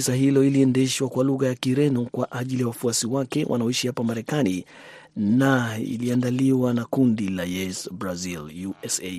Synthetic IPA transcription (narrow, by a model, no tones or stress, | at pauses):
isahilɔiliɛndɛʃwakwaluɣajakiɾɛnɔkwaʔaʄilijawafuasiwakɛwʔa̰naɔiʃihapamaɾɛkani | naḭliandaliwanakundilajɛsbɾaziljuɛse